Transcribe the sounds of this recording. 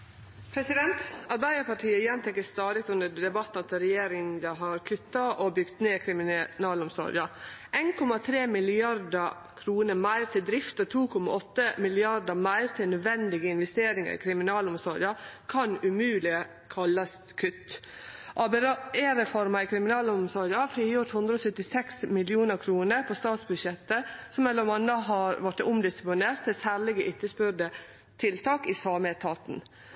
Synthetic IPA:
pʰɾɛsɪd̪ɛnt̪ɑɾbæɪd̪əɾpɑʈʰiːəɪjɛnt̪ʰɛkːəst̪ɑːd̪ɪk̚t̪ʉnd̪əd̪ɛbɑt̪ːnɑt̪ɾɛjeːɾɪəɦɑɾkʰʉt̪ːɑʔobʏɡt̪neːkʰɾɪmɪnɑːlɔmsɔ̰ɾɪ̰əʔeɪnkʰɔmɑt̪ʰɾeːmɪlɪɑɾdə | kʰɾuːnəɾmæɪɾt̪ʰɪld̪ɾɪft̪ɔt̪ʰuːkʰɔmɑ̰ʔɔt̪ːəmɪlɪɑɖəmæɪɾt̪ʰɪlnœd̪ʋɛnd̪ɪɡəɪnʋɛst̪eːɾɪŋə̰ɾɪ̰kʰɾɪmɪnɑːlɔmsɔɾɪəkʰɑnʉmʉːlɪə | kʰɑlːɑs | kʰʉt̪ːʔɑːbɛeːɾɛfɔɾmɑɪkʰɾɪmɪnɑːləʊmsɔɾɾəhɑɾfɾiːjʊɾt̪hʉnd̪ɾəɔsœt̪ːɪsɛksmɪlɪuːnəɾkʰɾuːnəɾpʰost̪ɑːt̪sbʉd̪ʃɛt̪ːəsɔmːɛlːəɾmɑnəɦɑɾʋɑʈʊmd̪ɪsɪ̥plɪneːɾt̪ʰːɪsæːɾɭɪɡəʔɪt̪ːəspʏɾɖə | t̪ʰɪlt̪ʰɑːkisɑːmɛt̪ʰɑːt̪n

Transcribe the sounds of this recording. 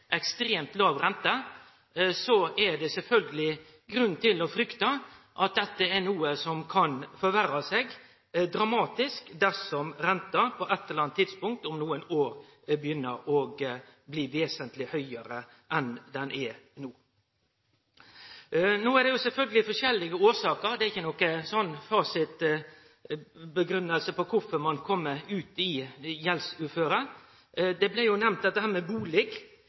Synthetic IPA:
ʔɛkst̪ɾeːmt̪lɑːʋɾɛnt̪ə | sɔɛɖɛsɛlfœlɡəlɪ | ɡɾʉn̩t̪ɪlɔfɾʏkt̪ɑ | ʔɑt̪̚d̪ɛt̪ːəɛnuːəsɔmkʰɑnfɔɾʋæɾɑseːɡ | d̪ɾɑmɑːt̪ɪskd̪æɾsɔmɾɛnt̪ɑpʰɔʔɛt̪ːɛɛlɑnt̪ʰːɪd̪spʊŋk̚t̪ɔmnuːənoːɾ | bəjʏnːəɾɔɡbliːʋeːsənt̪lɪhœʏəɾə | ʔɛnd̪ɛnʔɛnuː | noːæd̪ɛjʊsɛlfœlɡəlɪfɔʂɛlːɪɡəoːɾʂɑːkəɾd̪ɛæɾɪçːənɔkəsɔnːfɑːsɪt̪ | bəɡɾʉnːəlsəpɔkʰʊfɔɾmɑnkʰɔmːəʉːt̪ɪjɛlsʉːɾføːɾə | d̪ɛblɪjʊnɛmnd̪ɛt̪d̪əhæːɾmɛbuːlɛɡ

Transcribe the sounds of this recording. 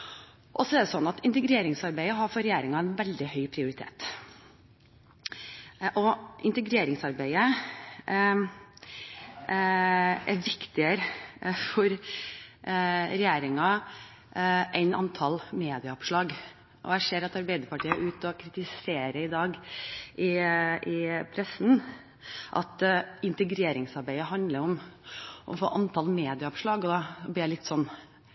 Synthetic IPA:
ʔɔsɔɛɾd̪əsɔnːɑt̪ɪnt̪əɡɾeːɾɪŋsɑɾbæɪəɦɑɾfɔɾɛjeːɾɪŋɑæɪnʋɛld̪ɪhœʏpʰɾɪʊɾɪt̪ʰḛːt̪ | ʔɔʔɪ̰nt̪əɡɾeːɾɪŋsɑɾbæɪə | æɾʋɪkt̪ɪəɾəfɔɾ | ɾɛjeːɾɪŋɑ | ʔæɪnɑ̰nt̪ʰɑlmeːd̪ɪɑʊpʂlɑːɡ | ʔɔ̰æʂeːɾɑt̪ɑɾbæɪd̪əɾpɑʈʰiːəʔʉːt̪ɔkʰɾɪt̪ɪseːɾəɪd̪ɑːɡʔɪɪpʰɾɛsn̩ | ʔɑ̰t̪ɪnt̪əɡɾeːɾɪŋsɑɾbæɪəɦɑnd̪ləɾɔmʔɔ̰fo̰ːʔɑnt̪ʰɑlmeːd̪ɪɑʊpʂɭɑːɡɔd̪ɑɔb̪ɪːælɪt̪ːsɔnː

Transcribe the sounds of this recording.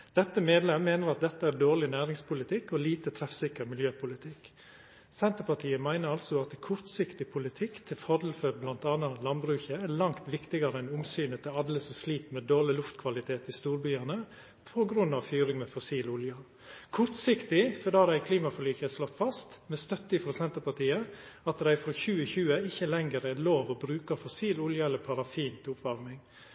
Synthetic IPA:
d̪̥ɛt̪ːəmeːd̪lɛmːeːnəɾɑt̪̚d̪ɛt̪ːəæːɾd̪oːɾɭɪnæːɾɪŋspʊlɪt̪ʰɪkːɔliːt̪ət̪ʰɾɛfsɪkəɾmɪljøːpʰʊlɪt̪ʰɪk | sɛnt̪əɾpɑʈʰiːəmæɪnəɾɑlsɔɑt̪kʰʊɾt̪sɪkt̪ɪpʰʊlɪt̪ʰɪkt̪ʰɪlfɑd̪l̩føːɾblɑnt̪ɑːnɑlɑnbɾʉːçəæɾlɑŋt̪ʋɪkt̪ɪɡɑɾəɛnʊŋsyːnət̪ʰɛɑd̪ləsɔsliːt̪meːd̪oːɭɪlʊft̪kʰʋɑlɪt̪ʰeːt̪ɪst̪uːɾbyːɑnə | pʰɔɡɾʉnːɑʋfyːɾɪŋmɛfɔsiːlʊljɑ | kʰʊɾt̪sɪkt̪ɪfɔɖɑːd̪æɪkʰliːmɑfɔɭyːçəslɔt̪ːfɑst̪mɛst̪œt̪ːəɪfɾoːsɛnt̪əpɑʈ̪iːə | ɑt̪d̪æɪfɾoːçʉːəçʉːəɪçəlɛŋəɾæloːʋɔbɾʉːkɑfɔsiːlʊljɑɛlːəɾpʰɑɾɑfiːnt̪ʰʊpʋɑɾmɪŋ

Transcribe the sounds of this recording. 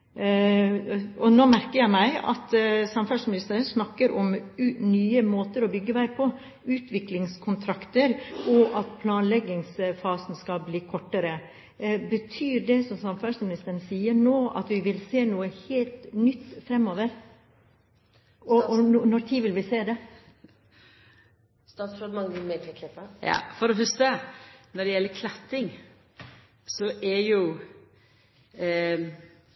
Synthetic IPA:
ɔnoːmæɾkəɾjæɪmæɪɑ̰t̪sɑmfɑʂmɪnɪst̪əɾəsnɑkːəɾʔɔmʉnyːəmoːt̪əɾɔbʏɡːəʋæɪpʰɔ | ʉːt̪ʋɪklɪŋskʰʊnt̪ʰɾɑkt̪əɾʔɔʔɑt̪pʰlɑːnlɛɡːɪŋsfɑːsn̩skɑlbliːkʰɔʈːəɾə | bət̪ʰyːɖɛsɔmsɑmfɑsmɪnɪst̪əɾnsiːəɳoːɑ̰t̪ʋɪʋɪlseːnuːəheːlt̪nʏt̪ːfɾɛmːoːʋəɾ | ɔɔnɔt̪ʰiːʋɪlʋɪseːd̪ɛ | st̪ɑːt̪sfɾod̪mɑŋmed̪kʰlɛt̪ːəjɑ̰ːfɔɾɔɦʉst̪ənɔɖɛjɛlːəkʰlɛt̪ːɪŋ | sɔʔɛɾjʊ

